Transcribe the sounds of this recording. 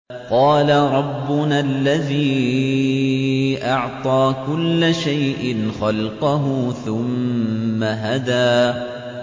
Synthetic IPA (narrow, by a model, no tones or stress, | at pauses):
qɑːlaɾˤɑbːʊnalːaðiː | ʔɑʕt̪ˤɑːkʊlːaʃajʔɪnxɑlqɑɦʊθʊmː | aɦad̪aː